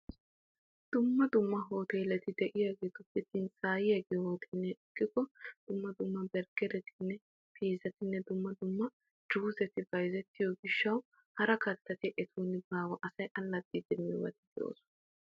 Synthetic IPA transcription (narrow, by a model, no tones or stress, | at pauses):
d̪̥ʊmːɐd̪ʊmːɐɦo̞ːt̪eːlɛt̪ɪd̪ɛʔɪjaːɡeːt̪ʊfɪt̪ːɪnt͡sʼaːjɪjaɡeːhoːt̪ʰɪnːɛɪkʼːɪkɔd̪̥ʊmːɐd̪ʊmːɐbɛɾɡɛɾɛt̪ʰɪnːɛ | fʰiːzɐt̪ɪnːɛd̪ʊmːɐd̪ʊmːɐ | d͡ʒuːzɛt̪ɪbɐjzɛt̪ːɪjɔɡɪʃːɐw | hɐɾɐkɐt̪ːɐt̪ɪʔɛt̪ʰuːnɪbaːwɐʔɐsɐjʔɐlːɐd̪ʼːiːd̪ɛmːɪwɐ̰t̪ɪd̪ɛʔo̰ːsʊ̥ɐ